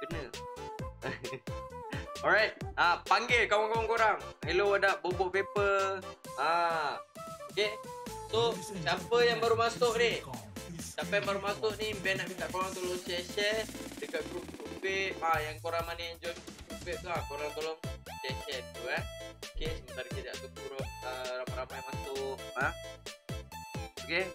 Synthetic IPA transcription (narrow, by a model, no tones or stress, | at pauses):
kənə̃ | ɔɾajt̪̚apaŋɡɛlkawaŋkawaŋkoɾaŋiloadaʔbobɔʔpepəla | okesosapəjaŋbaɾumasʊʔnɪh | t̪apjaŋbaɾumasʊʔnibɛnaʔbit̪aʔkoɾaŋt̪olɔŋt͡ʃɛʃɛdəkaʔ̪̚ɡɾup̚ɡɾupeʔaʔjaŋkoɾaŋmanəaŋd͡ʒɔnupɛʔ̚t̪uakoɾaŋt̪olɔŋt͡ʃɛʃɛt̪t̪uanokeməkaɾikidaʔt̪utuɾʊt̚əɾamaɾamajmasʊʔa | oke